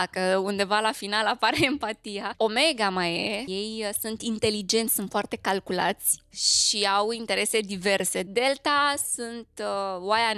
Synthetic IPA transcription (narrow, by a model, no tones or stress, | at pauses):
kəund̪e̞valafinalapaɾeːmpat̪ijao̞me̞ɡamajejejsunt̪int̪e̞lid͡ʒe̞nt̪sʲsunt̪foart̪e̞kalkula̰t̪sʲʃiawint̪e̞ɾe̞se̞d̪ive̞rse̞d̪e̞lt̪asunt̪waja